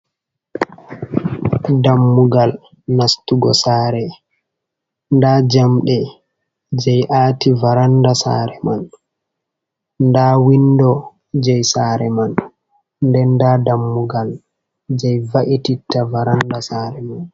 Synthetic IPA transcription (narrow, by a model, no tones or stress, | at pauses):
damːuɡal | nastuɡɔ̰saːɾɛ | ndad͡ʒamɗɛ | d͡ʒɛjʔaːtivaɾandasa̰ɾɛman | ndaːwindɔ | d͡ʒɛjsaɾɛman | ndɛndadamːuɡal | d͡ʒɛjvaʔititːavaɾandasaːɾɛman